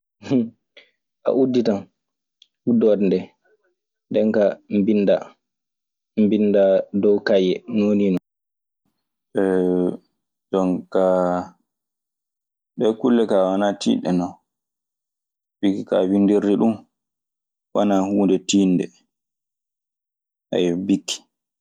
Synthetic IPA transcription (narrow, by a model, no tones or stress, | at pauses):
ʔa̰ʔudːitan | udɔdndɛ | ndɛŋkambinːda | mbindadɔwkajɛnoninɔ | ɓɛ | dɔnka | ɓɛkulːɛkawanatḭːɗɛ̰nɔ | bikikawindiɾːiɗum | wanahuːndɛtiːndɛ | ʔa̰jbikːi̥